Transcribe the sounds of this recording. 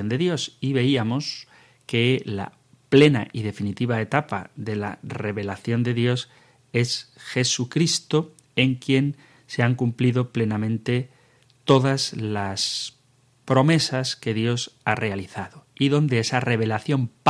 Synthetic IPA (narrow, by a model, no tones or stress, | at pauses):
ond̪e̞ðjo̞siβe̞iamo̞s | ke̞la̰ | ple̞na̰ʔiðe̞finit̪iβ̞ae̞t̪apa̰ðe̞la̰re̞βe̞laθjo̞nd̪e̞ðjo̞s | e̞sxe̞sukɾist̪o̞ | e̞ŋkje̞n | se̞aŋkumpliðo̞ple̞namẽnt̪e̞ | t̪o̞ðazlas | pɾo̞me̞saske̞ðjo̞sare̞aliθaðoiðo̞nd̪e̞esare̞β̞e̞laθjo̞mp